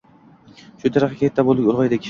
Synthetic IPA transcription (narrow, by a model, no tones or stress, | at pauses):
ʃʊt̪ʰeɾaχkʲʰet̪ʰːabolˠd̪ɪkʲolˠʁɑjd̪ekʲʰ